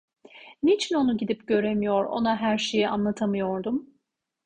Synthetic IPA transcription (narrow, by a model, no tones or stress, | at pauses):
nit͡ʃʰino̞nuɟid̪ipɟø̞ɾe̞mijo̞ɾo̞̰naɦæɾʃe̞jiʔa̰nlˠat̪ʰamɯjo̞ɾd̪um